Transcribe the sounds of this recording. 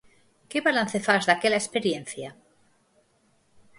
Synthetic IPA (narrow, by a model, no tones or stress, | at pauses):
keβalan̟θefazðakelaespeɾjẽnθja